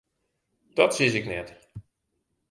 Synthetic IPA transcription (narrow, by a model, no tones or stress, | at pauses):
d̥ɔtsisɪknɛt